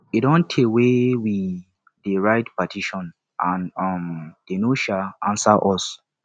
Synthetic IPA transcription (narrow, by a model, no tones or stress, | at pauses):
idɔ̃ntʰewewi | deɹaɪtpatʰiʃɔ̃n | ʔãnɔmd̥enoʃaʔãnsaʔɔs